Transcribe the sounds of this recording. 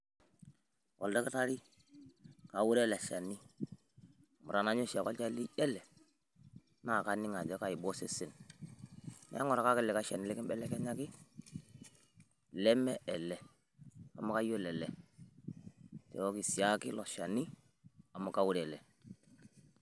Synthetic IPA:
kɔ̰˨lda˦ki˦ta˦ɾi˦ | ka˨wu˦ɾɛ˦˨lɛ˨a˨ʃa˨nːi˦˨ | mu˨ɾa˨na˨˦ɲo˦ʃa˨kɔ˦lt͡ʃa˦li˦ɛ˦lɛ˨ | na˨ka˦ni˦ŋa˨dɔ˦ka˨i˨bo˦se˦sɪ˨n | m̰˨˦a̰˦ŋɔ˨ɾa˨ka˦kɛ˦lɛ˨ka˦ʃa˨ni˦lɛ˦kɪ˦mbɛ˦lɛ˦kɛ˦ɲa˦kɪ˦ | lɛ˦mɛ˦ɛ˨lɛ˨ | a̰˨ma˦ka˦jo˦˨lɛ˨lɛ˨ | tɛ̰˨wɔ˦ki˨si˨a˦kɪ˦lɔ˨ʃa˨ni˦ | a˨ma˨ka˦wu˦ɾɛ˨lɛ˨

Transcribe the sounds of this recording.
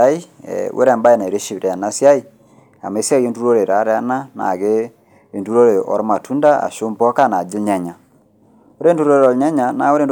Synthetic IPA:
a˦i˦ɛ̰wʔḛ˦ɾɛ˨mba˦e˦˨na˨ɾe˦ʃi˦βɾe˨a˨na˦sja˦i˦˨ | a̰˨me˨˦si˦a˦ɣe˦ntu˦ɾo˦ɾe˨ɾa˨˦ɾe˦a˦na˦na̰˨ɣe˦ | e˨ntu˦ɾo˦ɾe˨ʔɔ̰˨˦ɾma˨tʰu˦nda˦a̰˨ʃo˦mpɔ˦ka˦˨na˨d͡ʒi˦lɲa˦ɲa˨ | o˦ɾe˦ntu˦ɾo˦ɾeɾɔ˨lɲa˦ɲa˨na˨o˦ɾe˦˨nd

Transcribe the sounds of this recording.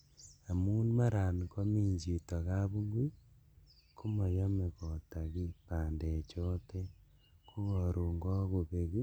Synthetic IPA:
a˨mu˦numa˦ɾa˨ni˨ko˦miː˦ɲd͡ʒi˨ta˨ɣa˦βu˦ŋɡwi˦ | ku˦mo˨jo˦me˨ɣota˨ɣi˦paːnde˨t͡ʃote˦ | ku˦ɣoɾu˨ŋɡo˦ɣu˨βe˨ɣi˦

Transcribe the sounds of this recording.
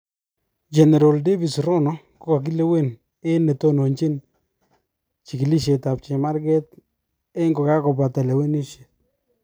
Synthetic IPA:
d͡ʒɛ˨nɛ˨ɾɔ˨lde˦vi˨sɾɔ˦nɔ˦ | kɔ˦ka˨k̬i˦lɛ˦we˦˨n | e˦nɛ˨to˦no˨ɲt͡ʃi˦n | t͡ʃi˨ki˨li˦ʃ̬e˨ta˨p̚t͡ʃɛ˨ma˦ɾkɛ˦t | ɛ˦ŋɡɔ˨ka˦kɔ˨pa˨ta˨lɛ˨we˦ni˦ʃje˨

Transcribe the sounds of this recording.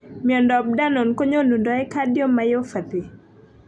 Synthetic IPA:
mjɔ˨ndɔ˨b̚da˦no˨nko˦ɲo˦nu˨ndɔ˨˦ɛ˦ka˦djo˦mːajo˦fa˨t̪i˨

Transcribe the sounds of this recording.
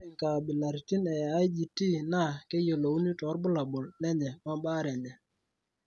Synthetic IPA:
ɛ˨ŋka˨bi˨la˨ɾti˦nɛ˨a˦i˦d͡ʒi˨ti˦na˦˨ke˦jo˨lo˨u˦ni˦tɔ˨˦ɾbʊ˦la˨bɔ˨lnɛ˦ɲɛ˨ma˦ba˦ɾɛ˨ɲɛ˨

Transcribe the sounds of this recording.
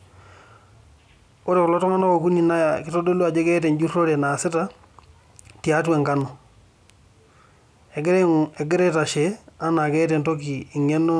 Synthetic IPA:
o˦ɾe˨kɔ˨lɔ˦tɔ˦ŋa˦na˦kɔ˨ku˦ni˨na˦ja˨kɪ˦to˦do˦lu˦a˨d͡ʒe˦kɛ˦tɛ˨nd͡ʒu˦ro˦ɾɛ˨na˨sɪ˦ta˦ | ti˨a˦twɛ˨ŋka˦nɔ˨ | ɛ˨ɡɪ˦ɾɛ˦ɛ˨ɡɪ˦ɾɛ˦ta˨ʃea˦na˨kɛ˦tɛ˨nto˦kiː˨ŋɛ˦nɔ˦

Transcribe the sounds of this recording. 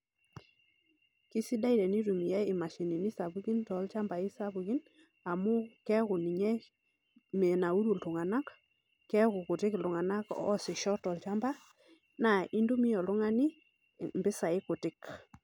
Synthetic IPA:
kɪ˦si˦da˦i˨ɾɛ˨ni˦ɾu˨mi˨jɛ˦ɪ˨ma˨ʃi˨ni˨ni˦sa˨βu˦ɣi˦ntɔ˨˦lt͡ʃa˦mba˨i˦sa˦βu˨ɣi˦n | a˨mʊ˦kɛ˦kʊ˨ni˨ɲɛ˦ | me˨na˨u˦ɾu˨ltʊ˨ŋa˨na˦k | kɛ˦ɣʊ˨kʊ˨tɪ˦klʊ˨ŋa˨na˦kɔ˦sɪ˨ʃɔ˦tɔ˨lt͡ʃa˦mba˦ | na˨i˦ndu˦mi˦ɔ˨lʊ˦ŋa˦nɪ˦ | mbɪ˦sa˨ɪ˦ko˨tɪ˦k

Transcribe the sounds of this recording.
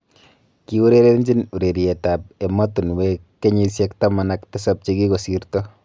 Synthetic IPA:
ki˦wu˦ɾe˦ɾe˦ɲd͡ʒi˦nu˨ɾe˨ɾiɛ˨tap̚e˨matu˨nwekːe˦ɲi˦sjɛk̚tamanaktɛ˦sap̚t͡ʃeki˦ko˨si˨ɾtɔ

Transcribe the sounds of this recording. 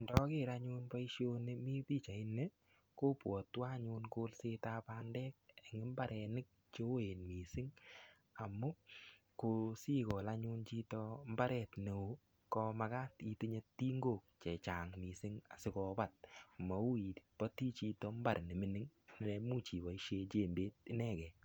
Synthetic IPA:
ndɔ˦kɪ˦ɾa˦ɲu˦npa˦i˦ʃjo˧ne˦mi˦pi˦t͡ʃa˨ɪ˦ne˦ | ko˦pwɔ˨twa˦ɲu˧nko˦lse˦ta˦pa˧ndɛ˦k̚e˨ŋɪ˦mba˦ɾʔɛ˧nɪ˦k̚ | t͡ʃo˦e˨nmi˨sɪ˦ŋ | a˨mːu˦ | ko˧si˦kɔ˨la˦ɲu˧nt͡ʃi˦tɔ˧m˦ba˦ɾɛ˨tne˨o˨˦ | kɔ˧ma˧ka˦ti˨ti˦ɲe˦tːi˦ŋɡo˦˨k̚t͡ʃɛ˨t͡ʃa˨ŋmi˨sɪ˦ŋa̰˨sɪ˦kɔ˨ba˨t̚ma˨u˦i˨pɔ˦ti˦t͡ʃi˧tɔ˧mba˨ɾnɪ˨mɪ˨˦nɪ˦ŋnɪ˨lɛ˧mu˦t͡ʃi˨ba˨i˦ʃe˧t͡ʃe˦˨mbeː˦t̚ɪ˦nɛ˦˨kɛ˨

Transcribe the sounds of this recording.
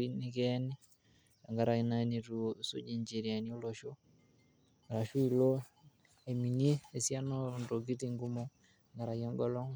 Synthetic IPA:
i˦ni˦kɛ˦ni˦ | a˨ŋɡa˨ɾa˨i˨na˦ni˨ɾu˨sṵ˦d͡ʒi˦ɲd͡ʒe˨ɾi˨a˨ni˦o˦lɔ˨ʃo˦ | ɾa˨ʃu˦i˨lo˦ | e˨mi˨ni˦e˨sja˦nɔ˦ndo˨ɡi˦ti˦ŋɡu˦mɔ˦˨ | ŋɡa˨ɾa˨jɔ˦ŋɡɔ˦lɔ˦ŋ

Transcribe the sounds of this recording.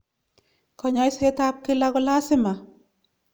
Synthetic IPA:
kɔ˨ɲa˦jse˦tap̚kɪ˦la˦kʊla˦sɪma˨

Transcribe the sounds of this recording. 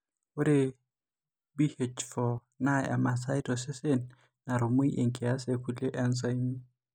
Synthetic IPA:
ʊ˦ɾɪ˦ | bi˦het͡ʃʰfɔ˨ | na̰˦a̰˨ma˨sa˦ɪ˦dɔ˨sɪ˦se˦n̩ | na˨ɾʊ˨mʊ˦i˦ʔe˨ŋ̩˨kʼɪ˨a˦sekʰu˨le˦ʔɛ˦nsa˦i˦m

